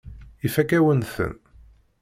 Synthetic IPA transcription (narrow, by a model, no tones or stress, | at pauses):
ifækæwənθə̰n